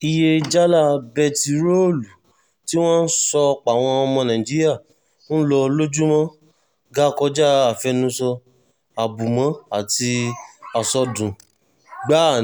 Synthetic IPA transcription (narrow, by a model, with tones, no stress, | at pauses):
i˧je˧d͡ʒa˦la˦˨bɛ˧ti˨ɾo˦˨lu˨ | ti˦w̃ɔ̃˦n̩˦sɔ˧k͡pa˨w̃ɔ̃˧ɔ˧mɔ̃˧nã˨ĩ˨d͡ʒi˨˦ɾi˦a˦˨˦ | n̩˦lɔ˧lo˦d͡ʒu˦mɔ̃˦ | ɡa˦kɔ˧d͡ʒa˦a˨fɛ˧nũ˧˦sɔ˧ | a˨bu˨mã˨˦a˨ti˧a˨sɔ˧dũ˨ | ɡ͡ba˦˨